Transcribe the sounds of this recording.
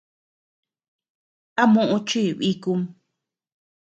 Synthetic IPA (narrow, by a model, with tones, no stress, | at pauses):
a˦mũ˦ʔũ˧t͡ʃi˦˨βi˦ku˧m